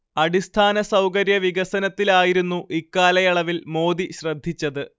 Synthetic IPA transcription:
ɐɽist̪ʰaːnɐsɐwkɐɾjɐʋiɡɐsɐnɐt̪ːilaːjiɾunːuʔikːaːlɐjɐɭɐʋilmo̞ːd̪iɕrɐd̪ʱːit͡ɕːɐðɨ

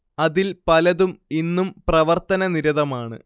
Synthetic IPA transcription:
ɐðilpɐlɐðuminːumprɐʋɐrt̪ɐnɐniɾɐðɐmaːɳɨ̰

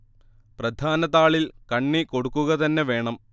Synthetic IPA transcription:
prɐd̪ʱaːnɐt̪ːaːɭilkɐɳːiko̞ɽukːuɣɐt̪ɐnːe̞ʋe̞ːɳɐm

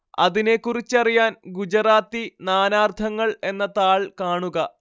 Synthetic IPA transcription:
ɐ̰ðine̞kːurit͡ɕːɐrijaːnɡud͡ʑɐraːt̪ːinaːnaːrt̪ʰɐŋːɐɭe̞nːɐt̪aːɭkaːɳuɣɐ

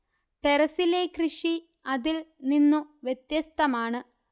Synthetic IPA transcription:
ʈeɾɐsilekrɨʂi | ɐðilninːuʋjet̪jɐst̪ɐmaːɳɨ

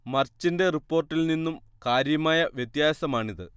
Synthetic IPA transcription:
mɐrt͡ɕːinde̞ripːo̞ːrʈːilninːumkaːɾjɐmaːjɐʋjɐt̪jaːsɐmaːɳiðɨ

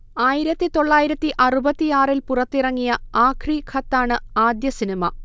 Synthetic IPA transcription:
aːjiɾɐt̪ːit̪o̞ɭːaːjiɾɐt̪ːiʔɐrubɐt̪ːijaːrilpurɐt̪ːirɐŋːijɐaːkʰrikʰɐt̪ːaːɳɨaːd̪jɐsinɐmɐ

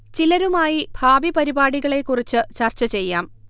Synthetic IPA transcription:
t͡ɕilɐɾumaːjibʱaːʋipɐɾibaːɽiɣɐɭe̞kːurit͡ɕːɨt͡ɕɐrt͡ɕɐt͡ɕe̞jːaːm

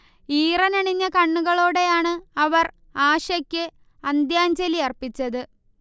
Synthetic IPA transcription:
iːrɐnɐɳiɲːɐkɐɳːuɣɐɭoːɽe̞jaːɳɨɐʋɐr | aːɕɐkʲːɨ | ɐnd̪jaːnd͡ʑɐliɐrpit͡ɕːɐðɨ

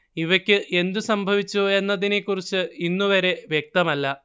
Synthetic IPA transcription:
iʋɐkʲːɨʔe̞nd̪usɐmbʱɐʋit͡ɕːue̞nːɐðine̞kːurit͡ɕːɨinːuʋɐɾe̞ʋjek̚t̪ɐmɐlːɐ

